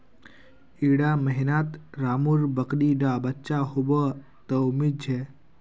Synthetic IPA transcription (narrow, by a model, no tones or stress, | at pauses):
iɽaməɦinat̪ɾamuɾbəkɽiɖabətːt͡ʃaɦobə | t̪əwmid͡ʒʱe